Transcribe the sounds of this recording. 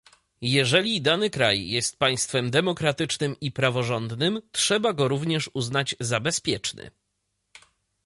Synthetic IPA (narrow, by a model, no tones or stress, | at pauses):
jɛʐɛlʲid̪anɘkɾa̰jjɛst̪̚paj̃st̪fɛmd̪ɛmɔkɾat̪ɘt͡ʂnɘmipɾavɔʐɔnd̪nɘmtʂɛbaɡɔɾuvɲɛʂuznad͡ʑzabɛspʲjɛt͡ʂnʲɘ̰